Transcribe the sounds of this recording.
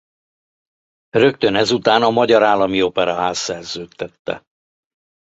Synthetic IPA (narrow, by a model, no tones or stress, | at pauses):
rø̞kt̪ø̞nɛzut̪aːnɒmɒɟɒɾaːlːɒmio̞pɛɾɒɦaːsːɛrzøːt̪ːɛt̪ːɛ̰